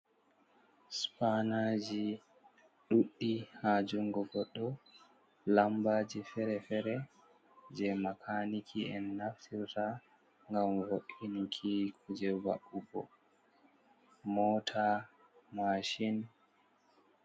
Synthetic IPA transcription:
spanad͡ʒi | ɗuɗːihaːd͡ʒuŋɡɔɡɔɗːɔ | lambaːd͡ʒifɛɾɛfɛɾɛ | d͡ʒɛmakʰanikʰiɛnːaftʰiɾta | ŋɡamwoʔinikʰikʰud͡ʒɛba̰ʔubɔ̰ | mɔtʰa | maʃin

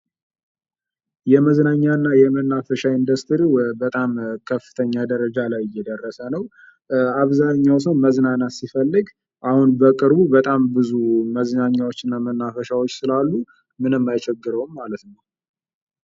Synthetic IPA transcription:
jɛməznaɲːanːajɛmənːafəʃaind̪əst̪ʰɾibət̪ʼamkʰəfːɨ̥t̪ʰəɲːad̪əɾəd͡ʒalajɪjːɛd̪ərːəsənəw | aβzaɲːaws̬əwnməznanasifəlːɨɡ | ʔahunbəkʼɨɾbubət̪ʼambɨzuməznaɲːawot͡ʃːɨnːamənːafəʃawot͡ʃːsɨlalːu | mɨnɨmːajt͡ʃʰɛɡːɨɾəwmːalət̪nəw

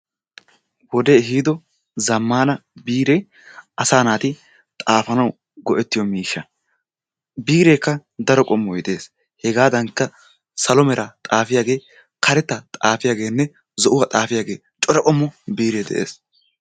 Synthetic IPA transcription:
wɔd̪eɦiːd̪ɔ | zɐmːaːnɐbiːɾe | ʔɐsaːnaːt̪ɪ | t̪ʼaːfɐnɐw | ɡɔʔɛt̪ːɪjɔmiːʃːɐ | biːɾeːkːɐd̪ɐɾɔkʼɔmːɔjɪd̪e̞ːs | hɛɡaːd̪ɐŋkːɐ | sɐlɔmɛɾʔɐt̪ʼaːfɪjaːɡe̞ː | kʰɐɾɛt̪ːɐt̪ʼaːfɪjaːɡe̞ːnːɛ | zɔʔʊwɐt̪ʼaːfɪjaːɡe̞ː | t͡ʃʼɔɾɔkʼɔmːɔbiːɾeːd̪ɛ̰ʔḛːs

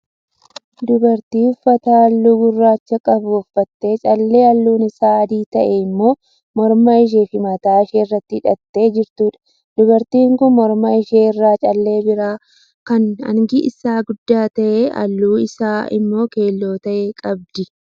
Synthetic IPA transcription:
d̪ʊbɐɾt̪iːʊfːɐt̪aːɐlːuːɡʊrːaːt͡ʃːɐkʼɐbʊɔfːɐt̪ːe̞ːt͡ʃʼɐlːe̞ːɐlːuːnɪsaːɐd̪iːt̪ɐʔeɪmːo̞ː | mɔɾmɐɪʃ̬eːfɪmɐt̪aːɪʃeːɪrːɐt̪ːɪɪᶑɐt̪ːe̞ːd͡ʒɪɾt̪uːᶑɐ̥ | d̪ʊbɐɾt̪iːŋkʊnmɔɾmɐɪʃeːɪrːaːt͡ʃʼɐlːe̞ːbɪɾaː | kɐnɐ̰ŋɡɪʔɪ̰saːɡʊd̪ːaːt̪ɐʔeːɐ̰lːuːɪsaːɪ̰mːo̞ːke̞ːlːo̞ːt̪ɐʔeːkʼɐbd̪ɪ

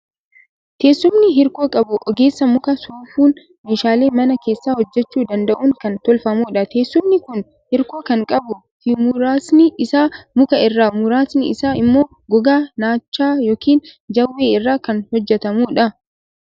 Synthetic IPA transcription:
t̪ʰe̞ːsːʊmnɪɦɪɾko̞ːkʼɐbʊʔɔɡe̞ːsːɐmʊkɐsuːfuːn | meːʃaːleːmɐnɐke̞ːsːaːhɔd͡ʒːɛt͡ʃːuːd̪ɐnd̪ɐʔuːŋkɐnt̪ɔlfɐmuːᶑɐt̪ʰe̞ːsːʊmnɪkʊn | hɪɾko̞ːkɐŋkʼɐbʊ | fɪmʊɾaːsnɪɪsaːmʊkɐɪrːaːmʊɾaːsnɪɪ̰saːɪmːo̞ː | ɡɔɡaːnaːt͡ʃːaːjo̞ːkiːnd͡ʒɐwːe̞ːɪrːaːkɐnhɔd͡ʒːɛt̪ɐmuːᶑɐ

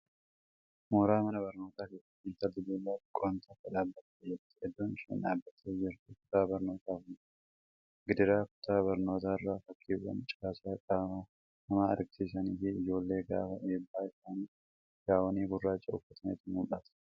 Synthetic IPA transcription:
moːɾaːmɐnɐbɐɾno̞ːt̪aːke̞ːsːɐt̪ːɪnt̪ɐlɪd̪eːlːaːkʼoːnt̪ʰɐkːɐᶑaːbːɐt̪ːed͡ʒɛt̪ːɪ̥ɛd̪ːoːnɪʃɛ̰ːnᶑaːbːɐt̪ʰːeːd͡ʒɪɾt̪ɪkʊ̥t̪aːbɐɾno̞ːt̪aːkʊn | ɡɪd̪ɪɾaːkʊ̥t̪ʰaːbɐɾno̞ːt̪aːɪrːaːfɐkʰːiːwːɐ̰nt͡ʃʼɪkaːsaːkʼabɐma | hɐmaːɐ̰ɾɡɪsiːsɐniːfɪɪd͡ʒo̞ːlːe̞ːɡa̰ːfɐ̰meːbːaːɪsaːnː | ɡ̥aːwɐniːbʊrːaːt͡ʃʼːɐɔfːɐt̪ʰɐnḛːt̪ɪnʊmʔɐt̪ɐ̥

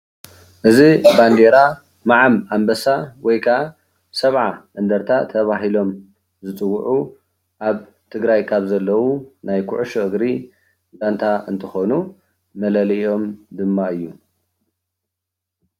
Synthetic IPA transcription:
ʔɨziband̪eɾa | maʕamambɐsawɔjkʰaa | sɐβʕaʔɨnd̪ɐɾt̪ʰat̪ʰɐβaɦilo̞m | zɨt͡sʼɨwːʊʕu | ʔaβ | t̪ʰɨɡɾajkʰaβzɐlːɐwunajkʰuʕuʃuʔɨɡɾi | dant̪ʰaɨnt̪ʰɨxonu | mɐlɐlijo̞md̪ɨmːaɨjːu

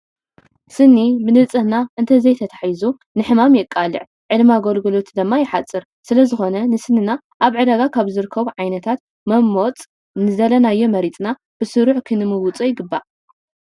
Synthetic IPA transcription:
sɨnːibɨnɨt͡sʼɨhnaʔɨnt̪ʰɐzɐjt̪ʰɐt̪ʰḁħzu | nɨħɨmamjɛkʼːalɨ̰ʕ | ʕɨlmaɡolɡɨlo̞t̪d̪ɨmːajɪħat͡sʼːɨɾ | sɨlɐzɨxo̞nɐnɨsɨnːina | ʔaβʕɨd̪ɐɡakʰaβzɨɾɨkʰːɐβuʕajnɐt̪ʰat̪̚ | mɐmːot͡sʼ | nɨzɐlɐnajːo̞mɐɾit͡s̪ʼna | b̥ɨsɨɾuħkʰɨnɨmɨwʊt͡sʼojɪɡɨbːa

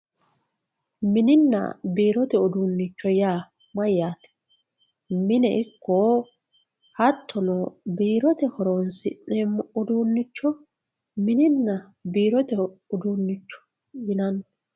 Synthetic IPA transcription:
mɪnɪnːɐ̰biːɾɔt̪ɛɔd̪uːnːɪt͡ʃːɔjaː | mɐjːaːt̪ɛ̥ | mɪnɛʔɪkːoː | hɐt̪ʰːɔnɔbiːɾɔt̪ɛhɔɾoːnsɪ̰nɛmʊd̪uːnːɪt͡ʃːɔ | mɪnɪnːɐ | biːɾɔt̪ɛʊd̪uːnːɪt͡ʃːɔ̥ | jɪnɐnɔ

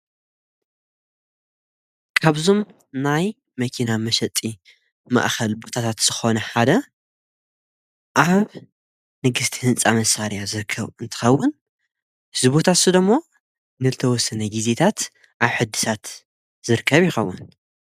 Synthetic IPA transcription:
kʰaβzom | naj | mɐkʰinamɐʃɐt̪ʼi | ma̰ʔxɐlbo̞t̪ʰat̪ʰat̪z̥ɨxo̞nɐħad̪ɐ | ʔaβ | nɨɡɨst̪ʰi̥hɨnt͡sʼamɐsaɾjazɨɾɨkʰːɐβɨnt̪ʰɨ̥xɐwːʊn | hɨzɨβot̪ʰat̪sɨd̪ɐmːo | nɨzɨt̪ʰɐwɔsːɐnɐɡize̞t̪ʰat̪ | ʔaβħɨd̪ɨ̥sʰat̪ | zɨɾɨkʰːɐβjɪxɐwːʊn

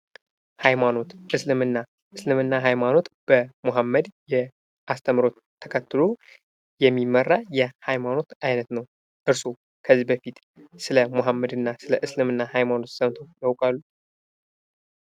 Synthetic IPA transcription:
hajmano̞t̪ʔɨslɨmɨnːa | ɨslɨmɨnːaɦajmano̞t̪b̥əmoɦamːəd̪jɛ | ʔast̪ʰəmɾo̞t̪ʰːəkʰət̪ːɨlo | jɛmːimːərːajɛhajmano̞t̪ajnət̪nəw | ʔɨɾso | kʰəzːibəfit̪ | sɨləmuɦamːəd̪ɨnːasɨləʔɨslɨmɨnːahajmano̞t̪səmt̪ʰo̞jawkʼalːu

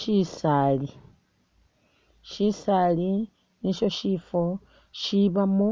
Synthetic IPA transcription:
isali | ʃisaːli | niʃo̞ʃifo | ʃiβamu

